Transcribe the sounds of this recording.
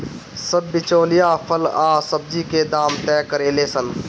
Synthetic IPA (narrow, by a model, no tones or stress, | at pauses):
sɐbːɪt͡ʃoːlijaːpʰəlaːsɐb̚d͡ʒiːked̪aːmt̪ɛːkəɾeːleːsən